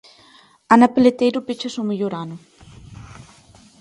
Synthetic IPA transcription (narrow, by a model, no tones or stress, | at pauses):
anapelet̪ejɾupet͡ʃasomeʎoɾanu